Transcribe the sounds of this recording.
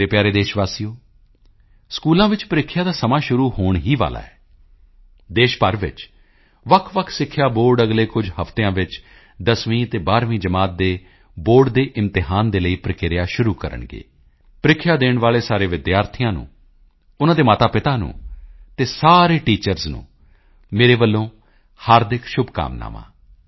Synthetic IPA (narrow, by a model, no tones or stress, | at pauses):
t̪eːpjaːɾeːd̪eːʃʋaːsiːoː | skuːlãːʋɪt͡ʃpəɾɪkʰːjaːd̪aːsəmaːʃʊɾuːhoːɳɦiːʋa̰ːla̰ːɛː | d̪eːʃpəɾʋɪ̰t͡ʃ | ʋəkʰʋəkʰsɪkʰːjaːboːɾɖəɡleːkʊd͡ʒhəft̪eãːʋɪt͡ʃ | d̪əsʋĩːt̪eːbaːɾʋĩːd͡ʒəmaːt̪̚d̪eː | boːɾɖd̪eːʔɪmt̪ɪɦaːnd̪eːləiːpɾəkɪɾɪjaːʃʊɾuːkəɾə̰ɳɡḛː | pɾɪkʰːjaːd̪eːɳʋaːleːsaːɾeːʋɪd̪jaːɾt̪ʰɪjãːnṵ̃ː | ʊnãːd̪eːmaːt̪aːpɪt̪aːnṵ̃ːt̪eːsaːɾeːʈiːt͡ʃəɾznṵ̃ː | meːɾeːʋəlːõː | haːɾd̪ɪkʰʃʊbka̰ːmna̰ːmã̰ː